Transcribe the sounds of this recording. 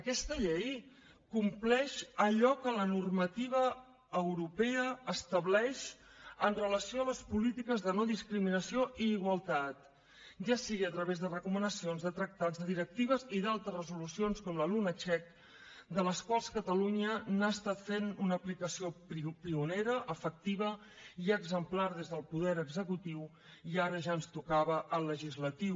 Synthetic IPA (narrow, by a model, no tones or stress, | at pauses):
əkɛst̪əʎɛj | kumplɛʃəʎɔkələnurmət̪iβ̞əː | wɾupɛəəst̪əβlɛʃ | ənrələsioələspulit̪ikəzðənoðiskɾiminəsioʔiːɣwəlˠt̪at̪̚ | ʒasiɣiət̪ɾəβezðərəkumənəsionzðət̪ɾək̚t̪azðəðiɾək̚t̪iβ̞əziðalˠt̪ɾəzrəzulusionskɔmləlunət͡ʃɛk | d̪ələskwalˠskət̪əluɲənaəst̪at̪fenunəːplikəsiopɾipiuneɾəʔəfək̚t̪iβ̞ə | iəɡzəmplaɾð̞ezðəlˠpuðɛɾəɡzəkut̪iw | iaɾəʒaənst̪ukaβəʔəlːəʒizlət̪iw